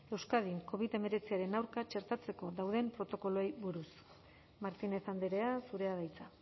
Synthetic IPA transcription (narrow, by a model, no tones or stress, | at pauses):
e̞wskað̞iŋko̞β̞iðe̞me̞ɾe̞t͡siaɾe̞nawɾkat͡ʃe̞ɾt̪at͡se̞ko̞ðawðe̞mpɾo̞t̪o̞ko̞loejβuɾus | maɾt̪ine̞θand̪eɾeasuɾe̞aðajt͡sa